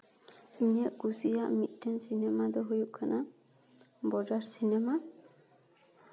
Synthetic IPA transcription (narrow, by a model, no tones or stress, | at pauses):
iɲɛʔkusijaʔmit̪̚ˀtɛnsinɛmad̪ɔɦujuʔkʰana | bɔdaɾsinɛma